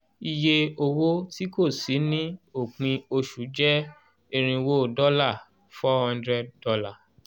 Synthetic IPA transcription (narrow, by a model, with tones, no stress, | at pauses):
i˧je˧o˧wo˦ti˦ko˦˨si˨˦nĩ˦o˨k͡pĩ˧o˧ʃu˨˦d͡ʒɛ˦ | e˧ɾ̃ĩ˧wo˦˨dɔ˦la˦˨ | fɔ˦hɔ̃˧ndɾɛ˧d̚dɔ˧la˦˨